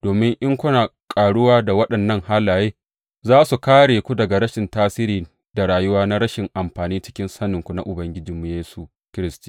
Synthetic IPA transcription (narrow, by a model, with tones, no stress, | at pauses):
d̥oː˨mɪ˦ŋʔɪ˦ŋkʷʊ˦na˨ | kʼaː˨ɽʊ˦waː˦da˨wɐ˦ɗɐ˨nːɐ˦ŋha˦laː˨jeː˦ | zaː˦su˨kaː˦ɽeː˨kʷu˦dɐ˨ɡa˨ɾɐ˦ʃɪ˨ntaː˦siː˦ɾiː˨ | da˨ɽaː˨jʊ˦waː˦na˦ɾɐ˦ʃɪ˨ŋʔa˨mɸaː˨niː˦t͡ʃɪ˦kʲɪ˦nsɐ˦nɪ˨ŋkʷu˨na˦ʔʊ˨bɐ˦ŋɡʲɪ˦d͡ʒɪ˨mːu˨jeː˦su˨ | kʲɪ˦ɾɪ˦stiː˦˨